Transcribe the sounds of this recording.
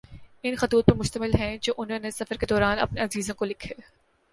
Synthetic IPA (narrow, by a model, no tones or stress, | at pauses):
ɪnxɐt̪uːt̪̚pɐɾmʊʃt̪əmɪlɦɛ̃d͡ʒoːʔʊnɦõnesɐfəɾked̪ɔːɾaːnɐ̰pneɐziːzõkolɪkʰeː